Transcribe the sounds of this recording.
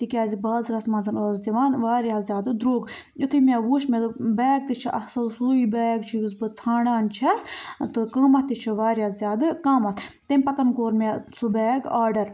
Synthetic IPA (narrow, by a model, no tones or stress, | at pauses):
t̪ikʲaːzʲibɐːzɾɐsmɐnzɐnoːzd̪iʋaːnʋaːɾiazʲjaːd̪ɨd̪ɾoːɡ | it̪ʰɨmʲaʋuːʃmed̪ɨbɛːɡ̚t̪it͡ʃʰiʔɐhsɐlsuːibɛːɡ̚t͡ʃʰijusbɨt͡sʰaːɽaːnt͡ʃʰɐst̪ɨkəːmɐt̪ːit͡ʃʰiʋaːɾiaːzʲjaːd̪ɨkaːmɐt̪ʰt̪emʲpɐt̪ɐnkoːɾmʲasubɛːɡaːɖɐɾ